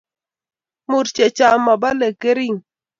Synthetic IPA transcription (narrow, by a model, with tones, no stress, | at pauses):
mu˨ɾt͡ʃe˨t͡ʃa˦˨ma˨ba˦le˨ke˦ɾi˦˨ŋ